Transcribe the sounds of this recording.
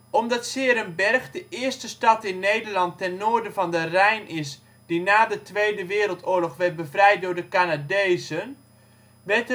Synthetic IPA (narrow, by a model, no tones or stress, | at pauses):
ʔɔmdɑtsɪːɾənbɛrxdəʔɪəɹstəstɑtɪnːejdərlɑntːɛnːoːɹdəvɑndərɛjnʔɪs | d̥inaːdətʋejdəʋɪːɾəlˠtʊːlɔχʋɛt̚bəvrɛjt̚dʊːɹdəkanadejzən | ʋɛt